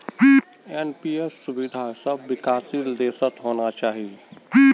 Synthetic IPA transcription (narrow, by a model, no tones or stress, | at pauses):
ʋiː | enpiːesːʊʋɪd̪ʱasɐbʱʋɪkaːsiːld̪eːsət̪ɦoːnat͡ɕaːɦieʋiː